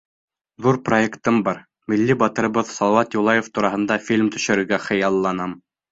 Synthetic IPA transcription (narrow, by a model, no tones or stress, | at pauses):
ðuɾproekt̪ɤmbɑɾ | milːibɑt̪ɤ̆ɾɤ̆βɤðsɑlˠɤwɑt̪julˠɑjoft̪uɾɑɦɤ̆nd̪ɑfʲilʲmt̪ɵ̆ʃɘ̆ɾɘ̆ɡæχɤ̆jɑlˠːɑnɑm